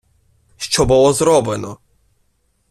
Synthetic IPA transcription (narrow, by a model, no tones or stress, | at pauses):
ʃt͡ʃɔbɔlˠɔzɾɔbɛnɔ